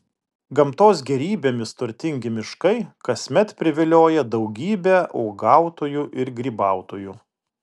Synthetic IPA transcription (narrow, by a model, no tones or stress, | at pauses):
ɡɐmt̪oːs̬ɡʲɛɾʲiːbʲeːmʲɪst̪ʊɾʲt̪ʲɪŋʲɡʲɪmʲɪʃkɐɪkɐsʲmʲɛt̪pʲɾʲɪʋʲɪlʲoːjɛd̪ɒʊɡʲiːbʲɛʔɔːɡɑˑʊt̪oːjuʔɪɾɡʲɾʲiːbɑˑʊt̪oːjuː